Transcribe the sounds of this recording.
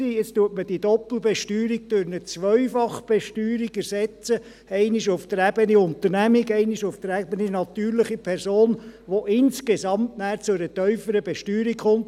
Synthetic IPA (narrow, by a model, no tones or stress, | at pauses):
iɪt͡stuətməd̥idɔpl̩bɛʃtyːɾik̚d̥øɾnət͡sʋœɥfɑχb̥ɛʃtyːɾiɡɛɾsɛt͡sə | ɛɪniʃʊft̪əɾæbəniʊnt̪əɾnæmiɡɛɪniʃʊft̪əɾæbəninɑt̪yːɾlɪχipʰɛɾsoːnʋoʔɪnskesɑmtnæːɾt͡sʊæɾətœʏfəɾəbɛʃtyːɾikχʊnt̪